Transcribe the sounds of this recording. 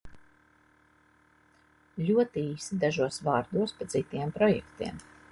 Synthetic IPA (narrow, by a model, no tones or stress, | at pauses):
lʲuɔt̪iiːsid̪aʒuɔsvaːɾd̪uɔspad̪zit̪iɛmpɾɔjɛ̰kt̪ḭɛm